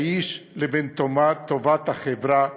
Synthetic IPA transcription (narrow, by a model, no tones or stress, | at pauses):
iʃlebent̪omat̪ovat̪haχevɾa